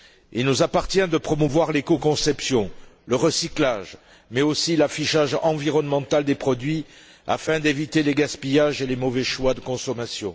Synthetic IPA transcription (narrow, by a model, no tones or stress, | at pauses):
ilnuzapaʁt̪jɛ̃d̪əpχɔmuvwaʁlekokɔ̃sɛpsjɔ̃ləʁəsiklaʒ | mɛosilafiʃaʒɑ̃viʁɔnmɑ̃t̪ald̪epχɔd̪ɥi | a̰fɛ̃d̪evit̪eleɡaspijaʒelemɔvɛʃwad̪əkɔ̃sɔmasjɔ̰̃